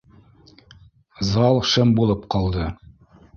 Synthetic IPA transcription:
zɑlˠʃɤmbulˠɤpqɑlˠd̪ɤ

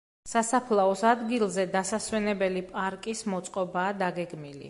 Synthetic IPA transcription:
sasapʰlˠaɔsad̪ɡilˠzɛd̪asaswɛnɛbɛlipʼaɾkʼismɔt̪sʼqʼɔbaːd̪aɡɛɡmilḭ

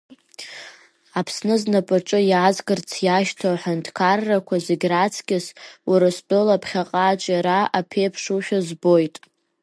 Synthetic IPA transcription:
apʰsnɨznapʼaʈ͡ʂʼɨjaːzɡɨrt͡sʰjaʃtʰoħandʰkʰarːakʷʰazeɡʲrat͡sʰkʲɪswaɾastʼolapʰχʲaqʼaːt͡ʃʼaɾaapʰejpʰʂuʃᶣazbojtʼ

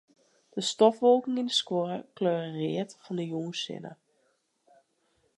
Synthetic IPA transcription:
d̥əstɔfʋolˠkɪŋindəskwoəkløːrərɪətfɔndəjuːnsɪ̰nə̰

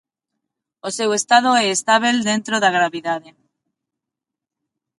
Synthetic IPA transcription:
osewest̪að̞oeːst̪aβ̞eld̪ent̪ɾoðaɣ̞ɾaβiðaðe

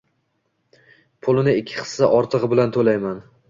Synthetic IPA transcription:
pʰʊlˠɪnɪɪkʲʰːɪ̥χɨ̥ssaʔɒɾt̪ʰɨʁbɪlant̪ʰolajman

